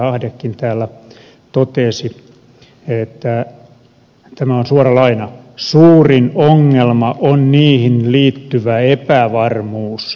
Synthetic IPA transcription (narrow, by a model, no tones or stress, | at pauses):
ɑhdekːint̪æːlːæ | t̪ot̪esi | et̪ːæ | t̪æmæonsuorɑlɑinɑsuːrinoŋːelmɑʔonniːhinliːt̪ːyʋæepæʋɑrmuːs